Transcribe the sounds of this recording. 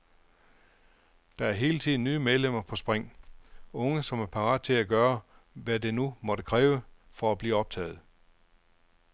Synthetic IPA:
d̥ɑ̈æɐɦe̝ːlət͡sʰið̩̰ˠnːyːmeðˠlem̰ɐpʰɒ̽sb̥ʁeŋ̰ | ɔ̽ŋəsɒ̽mæɐpʰɑ̈ʁɑ̰̈ːd̥̚t͡sʰe̝læɡ̥ɶːɐ | ʋæd̥e̝numɒ̽d̥əkʰʁɛːʊə | fɒ̽æb̥liːɒ̽b̥̚t͡sʰɛ̰ːð̩ˠ

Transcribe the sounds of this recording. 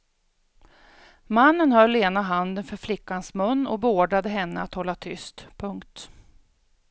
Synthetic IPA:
manːənhœlːeːnaɦand̪ənfœɾflɪkːansmɵnːɔbɛoːɖɾad̪əɦɛnːəa̰t̪hɔlːat̪ʰʏst̪pʰɵŋkt̪

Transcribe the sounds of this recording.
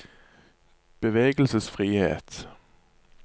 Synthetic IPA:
b̥əʋeːɡəl̩səsfʁiːhḛːt̪

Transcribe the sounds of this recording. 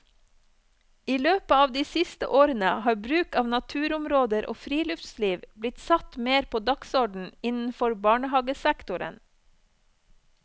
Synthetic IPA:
iːløːpəɑːʋd̪iːsɪst̪ə̰ʔoːɾənəhɑːɾbɾʉːkɑːʋnɑt̪ʰʉːɾʊmɾoːd̪əɾʔo̰ːfɾiːlʉft̪sliːʋblɪt̪sɑt̪meːɾpʰoːd̪ɑksɔɖɳ̩ɪnn̩fɔɾbɑːɳəhɑɡəsækt̪ʊɾə̰n

